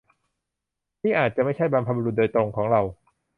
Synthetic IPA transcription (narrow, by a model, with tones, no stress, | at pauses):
t̪ʰiː˥˩ʔaː˨˩t̪̚t͡ɕa˨˩ʔma˥˩jt͡ɕʰa˥˩jbaː˧mpʰa˧bu˧ɾu˨˩t̪̚doː˧jt̪ɾo˧ŋkʰɔː˩˦ŋɾa˧w